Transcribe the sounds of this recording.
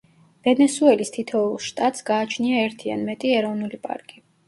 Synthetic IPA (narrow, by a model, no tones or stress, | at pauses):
v̥ɛnɛsuɛlist̪ʰit̪ʰɔulˠʃt̪ʼat̪ʼsɡaːt͡ʃʰniaɛɾt̪ʰia̰nmɛt̪ʼiɛɾɔvnulipʼa̰ɾkʼi